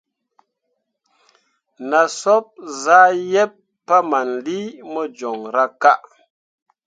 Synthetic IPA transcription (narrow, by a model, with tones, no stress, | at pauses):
na˨sɔ˦p̚za˦jɛ˦pː | a˦ma˨nli˦mɔ˦d͡ʒɔ˨ŋɾa˦ka˦ʔ